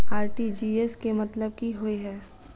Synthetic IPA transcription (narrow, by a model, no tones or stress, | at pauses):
aːɾʈid͡ʒiːeskemɐt̪ləb̚kiɦoiɦɛː